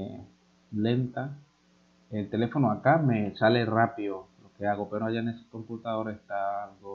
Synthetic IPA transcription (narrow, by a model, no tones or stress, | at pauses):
le̞nt̪a | elt̪e̞le̞fo̞noakame̞sale̞rapioloke̞aɣo̞peɾoaʝanese̥kompult̪aðo̞ɾaehst̪aalɣo